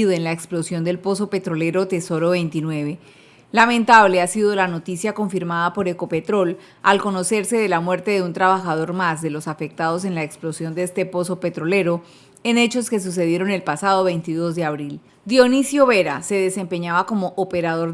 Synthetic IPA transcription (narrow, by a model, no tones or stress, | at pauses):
ðoe̞nlaeksplo̞sjo̞nd̪e̞lpo̞so̞pe̞t̪ɾo̞le̞ɾo̞t̪e̞so̞ɾo̞βe̞jnt̪inwe̞β̞e̞ | lamẽ̞nt̪aβle̞asiðo̞lano̞t̪isjako̞ɱfiɾmaðapo̞ɾe̞ko̞pe̞t̪ɾo̞l | alko̞no̞se̞ɾse̞ðe̞lamwe̞ɾt̪eðeunt̪ɾaβaxað̞o̞ɾmazd̪e̞lo̞safe̞k̚t̪aðo̞s̬e̞nlaeksplo̞sjond̪eest̪e̞po̞so̞pe̞t̪ɾo̞le̞ɾo̞ | e̞ne̞t͡ʃo̞ske̞s̬us̬e̞ðjeɾo̞ne̞lpasaðo̞βe̞jnt̪iðo̞zd̪e̞aβɾil | d̪jo̞nisjo̞βe̞ɾase̞ðe̞se̞mpe̞ɲaβako̞mo̞ʔːpe̞ɾaðo̞ɾ